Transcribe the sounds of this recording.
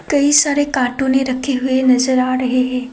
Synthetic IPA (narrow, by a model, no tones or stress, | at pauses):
kəisaɾekaʈuneɾəkʰeɦuenəd͡ʒəɾaɾəɦeɦe